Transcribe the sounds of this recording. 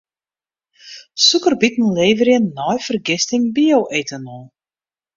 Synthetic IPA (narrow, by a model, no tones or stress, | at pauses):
sukərbitn̩lejvəɾiənːɔjfərɡɛst̪ɪŋbiowʔejtənɔː